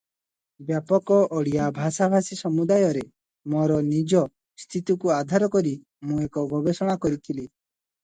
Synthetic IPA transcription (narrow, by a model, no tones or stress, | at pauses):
bjapɔkɔʔɔɽijabʱasabʱasisɔmud̪ajɔɾe | mɔɾɔnid͡ʒɔ | st̪ʰit̪ukuad̪ʱaɾɔkɔɾi | mũekɔbʱɔbesɔɽ̃akɔɾit̪ʰili